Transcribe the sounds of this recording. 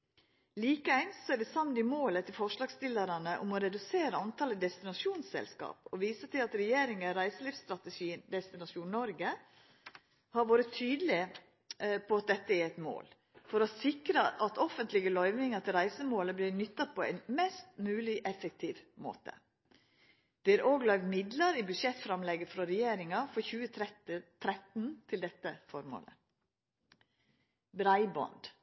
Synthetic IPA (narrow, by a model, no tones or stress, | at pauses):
liːkəæɪnst̪sɔæɖɛsɑnːd̪ɪmoːlət̪ʰɪlfɔʂɭɑːɡst̪ɪlːəɾɑnəʔʊmɔɾɛd̪ʉseːɾəɑnt̪ʰɑːləd̪ɛst̪ɪnɑʂuːnsɛ̰lskɑ̰ːpɔʋiːsət̪ʰɪlɑt̪ɾɛjeːɾɪŋəɾæɪsəliːfst̪ɾɑt̪əʃiːnd̪ɛst̪ɪnɑʂuːnnɔɾɡə | hɑɾʋoːɾət̪ʰyːd̪lɪ | pʰɔɑt̪̚d̪ɛt̪ːəæɾɛt̪mo̰ːl | fɔɾɔsɪkɾəʔɑt̪ʰɔfənt̪lɪɡəlœʏʋnɪŋɑt̪ʰɪlɾæɪsəmoːləblɪɾnʏt̪ːɑt̚pʰɔæ̰ɪnmɛst̪mʉːlɪʔɛfək̚t̪ʰiːʋmo̰ːt̪ə̰ | d̪̥ɛæɾʔoːɡlœʏʋ̪mɪd̪lɑɾibʉd̪ʂɛt̪ːfɾɑmlɛɡəfɾɑɾɛjeːɾɪŋɑfɔçʉːət̪ʰɾɛt̪n̩t̪ʰɪld̪ɛt̪ːəfɔɾmo̰ːlə̰ | bɾæɪbɔ̰nd̪